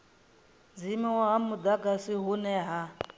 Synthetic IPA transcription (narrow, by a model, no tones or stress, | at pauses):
d͡zimiwaɦamud̪aɡasiɦunɛɦa